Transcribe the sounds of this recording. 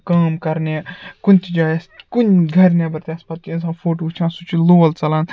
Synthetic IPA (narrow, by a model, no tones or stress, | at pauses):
kaːmkɐɾnekunʲt̪ʰid͡ʒaːjɐskunɡʱɐɾnʲebɐɾt̪ʲaːspɐt̪ːĩnsãːfʰoːʈuːt͡ʃʰãːnsut͡ʃʰiloːlt͡sɐlãːn